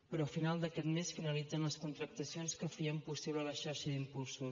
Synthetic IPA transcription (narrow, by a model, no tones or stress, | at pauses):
pɾɔəfinalˠd̪əkɛt̪meskreəlid͡zənləskunt̪ɾək̚t̪əsionskəfiəmpusiβlələʃaɾʃəd̪impulˠsus